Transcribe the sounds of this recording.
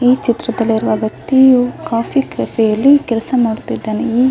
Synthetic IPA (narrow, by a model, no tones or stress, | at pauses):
iːt͡ʃit̪ɾɐd̪ɐlːiiɾuʋɐːɡɐkt̪ːikaːpʰikɐfejɐlːikɛlɐsɐmaːɽut̪ːid̪ːaːneiː